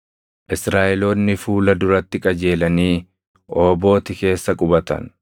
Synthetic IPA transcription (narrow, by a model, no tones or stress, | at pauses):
ʔɪsɾaːʔɛlo̞ːnːɪfuːlɐd̪ʊɾɐt̪ːɪkʼɐd͡ʒe̞ːlɐniː | ʔo̞ːbo̞ːt̪ɪke̞ːsːɐkʼʊbɐt̪ɐ̰n